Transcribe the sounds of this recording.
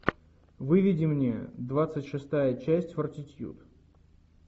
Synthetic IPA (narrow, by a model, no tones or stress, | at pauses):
vɨvʲɪdʲɪmnʲed̪vat̪sɨtʲʂɨst̪ajət͡ɕæsʲtʲfərtʲɪtʲjṵt̪